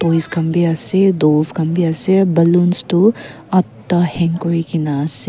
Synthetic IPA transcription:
pojskɐmbiasedolskɐmbiasebɐlunstu | ɐt̪ːɐheŋkoɾikinase

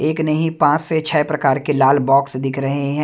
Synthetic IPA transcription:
eːknɐɦĩpãːt͡ʃset͡ʃʰɛːpɾɐkaːɾkelaːlbɔːksd̪ɪkʰɾɐɦeɦɛ̃ː

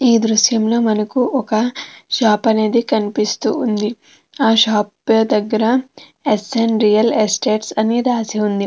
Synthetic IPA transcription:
iːd̪ɾuʃjɐmlo̞ːmɐnɐkuʔɔkɐʃaːpɐne̞ːd̪ikɐnipist̪ṵːnd̪i | aːʃaːpɐd̪ɐɡːɐɾɐ | esenɾijɐlesʈe̞ːʈsɐneːd̪aːsiund̪i

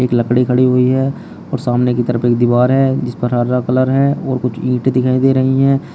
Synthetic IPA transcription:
eːkləkɽikʰəɽiɦoiɦɛː | ɔːɾsaːmnekit̪əɾəpeːk̚d̪ɪʋaːɾɦɛd͡ʒɪspəɾɦaːɾɾakələɾɦɛːɔːɾkʊt͡ʃʰĩːʈd̪ɪkʰaːĩd̪eːɾɐɦiɦɛː

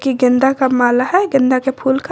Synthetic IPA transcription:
kiɡɪ̃nd̪akamaːlaɦɛɡɪ̃nd̪akepʰuːlk

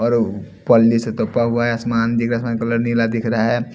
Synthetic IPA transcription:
ɔːɾ | pɔlːiset̪opaɦuaɦɛəsmaːnd̪ɪkʰɾaaəsmaːnkɐləɾnilad̪ɪkʰɾɐɦaɦɛ

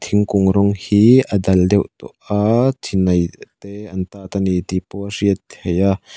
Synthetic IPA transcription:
t̪ʰɪŋkʊŋɾɔŋhiːʔədɐldɛwʔt̪ṵʔat̪ʰinɐjt̪eːɐnt̪aːt̪ɐnit̪ipɔriət̪̚heja

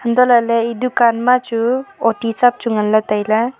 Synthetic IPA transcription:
hənd̪ɔlaleidukanmat͡ʃuɔtit͡ʃap̚t͡ʃuŋanlat̪ajla

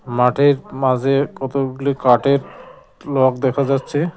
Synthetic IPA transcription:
maʈʰiɾmad͡ʑʱekɔt̪oɡulikaʈeɾ | lɔk̚d̪ɛkʰad͡ʑatːɕʰi

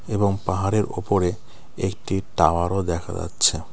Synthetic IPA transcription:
eboŋpaɦaɾeɾopoɾe | ekʈiʈawaɾod̪ɛkʰa̰d͡ʑa̰tːɕʰe

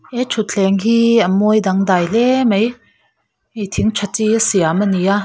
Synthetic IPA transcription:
ʔɛt͡ʃʰutt͡ɬʰɛŋɦiamɔjdaŋdajlɛmej | ejt̪ʰiŋt͡ʃʰat͡siasiamanija

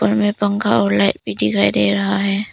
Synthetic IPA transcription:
pəɾmẽpɐ̃ŋɡa̰ɔːɾlaːɪʈ̚bʱid̪ɪkʰaːid̪eːɾɐɦaɦɛː

